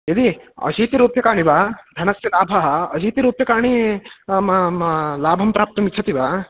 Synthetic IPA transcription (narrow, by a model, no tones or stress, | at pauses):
jɐd̪iɐ̰d͡ʒiːt̪iɾuːpjɐkaːɳ̃ibaːd̪ʱɐnɐsjɐlaːbʱɐɦɐɐd͡ʒʱiːt̪iɾuːpjɐkaːɳ̃imlaːbʱɐmpɾaːp̚t̪ɐmit͡ʃʰɐt̪ibaː